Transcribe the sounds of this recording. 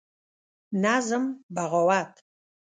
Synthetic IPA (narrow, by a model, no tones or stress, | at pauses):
naːzɐmbaʁɐwaːtʰ